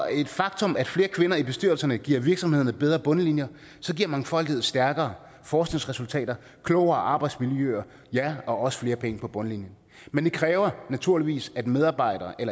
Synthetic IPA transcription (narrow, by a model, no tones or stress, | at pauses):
e̝d̥fɑ̈ɡ̥t͡sʰɔ̽mæd̥fle̝ːɐkʰʋe̝nɐib̥e̝sd̥yɐ̰l̩sɐnəɡ̥ḭɐ̰ʋiɐɡ̥sɒmhe̝ð̞̰ˠɐnəb̥eðˠʁɐb̥ɔ̽nəlinjɐ | sɒ̽ɡ̥iɐ̰mænfɒ̽l̰d̥iheðˠsd̥æɐɡ̥ɐː | fɒːsɡ̥ne̝ŋsʁɛsult͡sʰɛ̰ːd̥ɐ | kʰlɔʊɐːʔɑ̈ːb̥ɑ̈ɪd̥smiljøɐ | jæɒ̽ʔɒ̽sə̥fle̝ːɐpʰeŋəpʰɒ̽b̥ɔ̽nəlinjən | mend̥e̝kʰʁɛːʊɐnæt͡sʰuɐliʋḭːsæd̥með̞ˠɑ̈ːb̥ɑ̈ɪ̰ɾ̥ɐːʔelɐ